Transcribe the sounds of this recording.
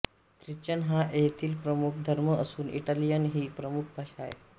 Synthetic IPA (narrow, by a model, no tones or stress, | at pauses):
kɾist͡ɕənɦaʔet̪ʰiːlpɾəmuk̚ʰd̪ʱəɾməʔəsuːnḭʈalijənɦiːpɾəmuk̚ʰbʱaɕaḛ